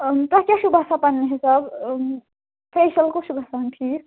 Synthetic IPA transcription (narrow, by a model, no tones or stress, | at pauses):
t̪akjaʃubʱasapanːeɦesab | peʃɐlkoʃubʱasantʰiɾ